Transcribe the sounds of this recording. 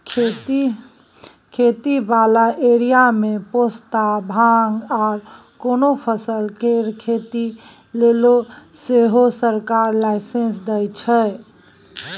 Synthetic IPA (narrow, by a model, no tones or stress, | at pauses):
kʰet̪i | kʰet̪ibalaʔeɾijamepost̪abʱaŋɡaɾ | konopʰəsəlkeɾkʰet̪i | leloseɦosəɾkaɾlaɪsẽnsd̪ɛjt͡ʃʰɛ